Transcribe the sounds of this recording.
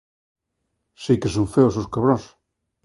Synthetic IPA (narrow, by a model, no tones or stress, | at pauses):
sikesoɱfeososkaβɾos